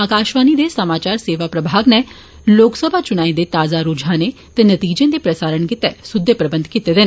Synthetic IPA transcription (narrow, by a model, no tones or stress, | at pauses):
aːkaːʃʋaːnid̪esɐmaːt͡ʃaːɾseːʋapɾəbʱaːɡne | loːksəbʱat͡ʃʊɽ̃aːĩd̪et̪aːzaɾuːd͡ʒʱãne | t̪ɛnɐt̪iːd͡ʒẽd̪epɾəsaːɾəɳkɪt̪ɛsʊd̪ʱːepɾəbə̃nd̪ʱkit̪ed̪eːn